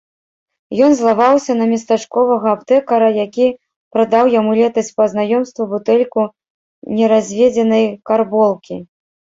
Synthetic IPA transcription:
jɔnzlˠavawsʲɐnɐmʲist̪at͡ʂkɔvɐɣɐːpt̪ɛkɐɾɐjakʲi | pɾɐd̪awjamulʲɛt̪ɐsʲt͡sʲpɐznajɔmst̪vubut̪ɛlʲku | nʲɛɾazʲvʲɛd͡zʲɛnɐjkarbɔlˠkʲi

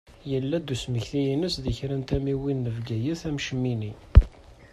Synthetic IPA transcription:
jəlːæd̪usməçθijinəsðəçɾænt̪æmiwinːəvɡæjəθæmʃəmːini

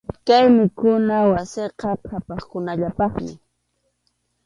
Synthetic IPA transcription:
kajmɪkʊnawaseqɑqʰapɑχkʊnaʎapɑχmɪ̰

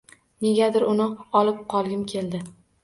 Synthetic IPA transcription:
ne̞ɡʲad̪ɪɾʊnɪɒlɪp̚qʰɒlˠɡʲɪmkʲʰe̞ld̪ɪ

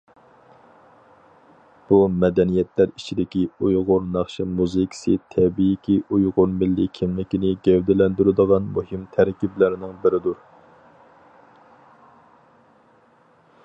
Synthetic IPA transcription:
b̥umɛd̪ɛnijɛt̪ʰlæɾi̥t͡ʃʰid̪ɪkʲiujʁʊɾnɑχʃimuzɨkʲsit̪ʰɛbijːkʲiujʁʊɾmɪlːɪkʲʰimlɪkʲinɪɡʲɛwd̪ɪlɛnd̪yɾɪd̪əʁɑnmuhimt̪ʰæɾkʲiblɪɾɪnɪŋbɪɾɪd̪uɾ

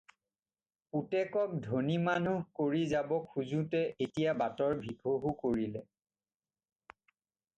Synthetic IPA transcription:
utɛkɔk̚dʱonimanuhkoɹizabɔkʰːuzutɛʔetijabatɔɹbʱiɡʱoɦukoɹilɛ

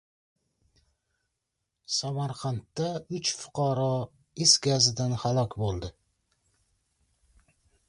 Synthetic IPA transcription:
samaɾqʰant̪ːaʊt͡ʃfʊ̥qʰɑɾɒ | ɪsɡʲazɪd̪anhalˠɒkʲbolˠd̪ɪ

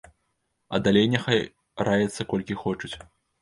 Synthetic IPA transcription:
ɐ̰d̪alʲejnʲɛxaj | ɾajɛt̪sːɐkɔlʲkʲixɔt͡ʂut͡sʲ

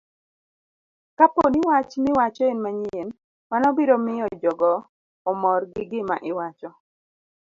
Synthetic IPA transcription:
kaponɪwat͡ʃmɪwat͡ʃɔenmaɲen | manɔbiɾomɪjɔd͡ʒɔɡɔː | mɔrɡɪɡɪmaʔɪwat͡ʃɔ

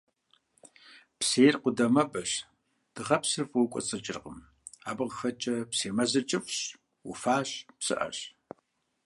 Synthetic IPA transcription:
pseːrqʷʊdɐmɐbɐɕ | d̥ɨʁɐpsɨrfʼwkʷʼɔ̰t͡sʼɨt͡ʃʼɪrqəm | aːbɨʁxɐt͡ʃʼɐpseːmɐzɨt͡ʃʼɪpɕ | wṵfaːɕpsɨ̰ʔɐ̰ɕ

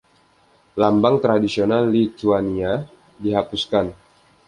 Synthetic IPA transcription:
lambaŋt̪ɾadisionalːit̪uania | diɦapuskan

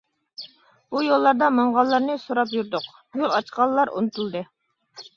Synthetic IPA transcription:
b̥ujolˠːɑɾd̪ɑmɑɴʁɑlˠːɑɾnɨsoɾɑp̬juɾd̪ʊq | jolˠɑt͡ʃqɑlˠːɑɾʔṵnɨt̪ʰulˠd̪ɨ

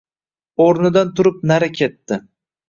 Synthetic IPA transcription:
oɾnɪd̪ant̪ʰʊɾɪp̚naɾakʲʰe̞t̪ːɪ

